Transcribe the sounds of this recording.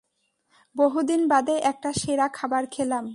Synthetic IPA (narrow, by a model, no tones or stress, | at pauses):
boɦud̪inbad̪eʔɛk̚ʈaʃeɾakʰabaɾkʰelam